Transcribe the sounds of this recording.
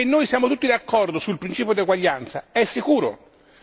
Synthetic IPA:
enːoːjsjaːmot̪ut̪ːid̪akːɔrd̪osulpɾint͡ʃiːpjod̪eɡwaʎːant̪saɛsːikuːɾo̰

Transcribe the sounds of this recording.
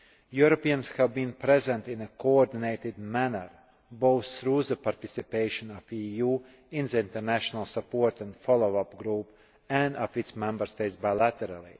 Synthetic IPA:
juɾɔpiãnshævbĩːnpɾɛzɛ̃nt̪ĩnəkoɔɾd̪ineɪt̪ɪd̪mænə̰ɾ | boʊθːɾuːzəpaɾt̪isipeɪʃɔ̃nɔfijuː | ĩnzəĩnt̪əɾnæʃɔnalˠsəpoɾt̪æ̃nd̪fɔlˠoʊapɡɾuːp | æ̃nd̪ɔfit̪smɛ̃mbəɾst̪eɪtsbaɪlæt̪ɛɾalˠḭ

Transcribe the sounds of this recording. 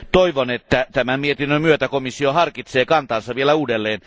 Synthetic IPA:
t̪oiʋonet̪ːæt̪æmæmiet̪inːømyøt̪ækomisːiohɑrkit̪seːkɑnt̪ɑːnsɑʋielæuːdelːeːn

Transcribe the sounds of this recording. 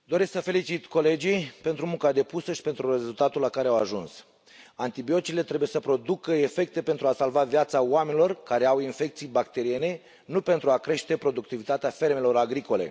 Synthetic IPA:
d̪oɾesksəfe̞lit͡ʃit̪ko̞le̞d͡ʒijpent̪ɾumuŋkad̪e̞pusəʃi̥pe̞nt̪ɾure̞zult̪at̪ulakaɾe̞awaʒuns | ant̪ibio̞t̪t͡ʃile̞t̪ɾe̞buje̞səpɾo̞d̪ukəe̞fe̞k̚t̪e̞pe̞nt̪ɾuasalvavjat̪saoame̞nilo̞rkaɾe̞awinfe̞k̚t̪sijbak̚t̪e̞ɾie̞ne̞ | nupe̞nt̪ɾuakɾe̞ʃt̪e̞pɾo̞d̪uk̚t̪ivit̪at̪eafe̞rme̞lo̞ɾaɡɾiko̞le̞̰

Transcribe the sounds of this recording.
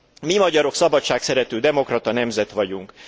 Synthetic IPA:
mimɒɟɒɾo̞ksɒbɒtʃaːksɛɾɛt̪øːd̪ɛmo̞krɒt̪ɒnɛmzɛt̪ʋɒɟuŋk

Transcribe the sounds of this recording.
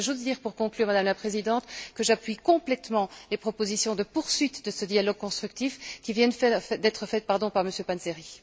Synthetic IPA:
ʒozd̪iːʁpuʁkɔ̃klyʁmad̪amlapχezid̪ɑ̃t̪kəʒapɥikɔ̃plɛt̪mɑ̃lepχɔpozisjɔ̃d̪əpuʁsɥit̪d̪əsəd̪jalɔɡ̚kɔ̃st̪χyk̚t̪ifkʲivjɛ̃ɛɛd̪ɛt̪χəfɛt̪̚paʁd̪ɔ̃paʁməsjøpanzeʁi

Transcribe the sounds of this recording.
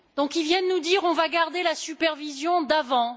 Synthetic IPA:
d̪ɔ̃kilvjɛ̃d̪ənud̪iʁɔ̃vaɡaʁd̪elasypɛʁvizjɔ̃d̪avɑ̃

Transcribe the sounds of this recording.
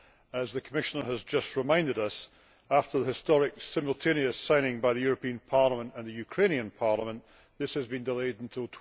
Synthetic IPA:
əzðəkʰəmɪʃənə˞əzd͡ʒʌst̚ɹɪmãɪ̃ndɪɾʌs | aftə˞ðəhɪstɔɹɪksɪ̃məl̩ˠtʰẽñiɨsãɪ̃nɪ̃ŋbaɪðɨjʉɹəpʰĩə̃npʰaɹlˠəmə̃nʔə̃nðəjʉkʰɹ̥ẽñiə̃npʰaɹlˠəmə̃nʔ | ðɪshəzbĩndɪlˠeɪd̃n̩tʰɪlˠtʰ

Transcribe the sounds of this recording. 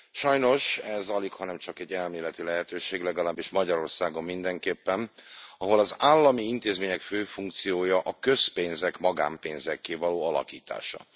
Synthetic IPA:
ʃɒjno̞ʃɛzɒlikhɒnɛmt͡ʃɒkɛɟːɛlmeːlɛt̪ilɛɦɛt̪øːʃeːɡlɛɡɒlaːbːiʃmɒɟɒɾo̞rsaːɡo̞mːind̪ɛŋkeːpːɛnɒɦo̞lɒzaːlːɒmiint̪eːzmeːɲɛkføːfuŋk̚t̪sijoːjɒʔɒkø̞speːnzɛkmɒɡa̰ːmpeːnzɛkːeːvɒloːɒlɒ̰kiːt̪a̰ːʃɒ̰

